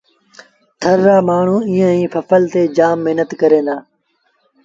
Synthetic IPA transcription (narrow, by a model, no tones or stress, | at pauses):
t̪ʰəɾːaːmaːɳ̤ũːiːə̃ĩːfəfəlt̪eːd͡ʒaːmːɪɦnət̪kəɾẽːnd̪aː